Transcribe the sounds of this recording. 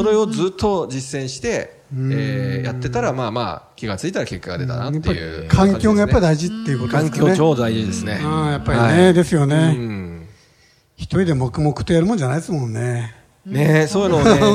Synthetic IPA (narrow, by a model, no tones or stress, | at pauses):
so̞ɾe̞o̞d͡zɨːt̪ːo̞d͡ʑisːẽɰ̃ɕi̥t̪e̞ | ɯ̃jat̪ːe̞t̪aɾamaːma̰ːkʲiɡat͡sɨit̪aɾake̞kːaɡa̰d̪e̞t̪a̰najap̪ːeːaɾiɯ̰kʰãŋkʲo̞ːɡajappːaɾʲid̪aiʑit̪ːe̞jɯ̟kot̪od̪eskeoːd̪aiid̪esɨnejapːaɾiined̪e̞sɨjo̞ne̞ | çi̥t̪oɾʲid̪e̞mo̞kɯ̟mo̞kɯ̟̥t̪ːojaɾɯmõ̞ɲ̟d͡ʑanaid̪esmõ̞nːe̞ | nesoːjɯno